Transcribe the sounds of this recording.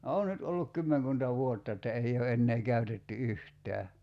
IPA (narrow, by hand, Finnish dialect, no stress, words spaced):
oː nyt olːuk kymːeŋkuntɑ ʋuotːɑ etːæ ei o enːeː kæytetːy yhtˑæː